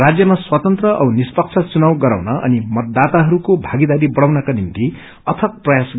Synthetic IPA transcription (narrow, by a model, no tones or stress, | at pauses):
rad͡zjʌmaswat̪ʌnt̪rʌʔʌwnispʌk̚t͡sʰʌt͡sunawɡʌɾawnʌʔʌ̰nimʌt̪̚d̪at̪aɦʌɾukobʱaɡid̪aɾibʌɽawnʌkanint̪i | ʌt̪ʰʌk̚prʌjas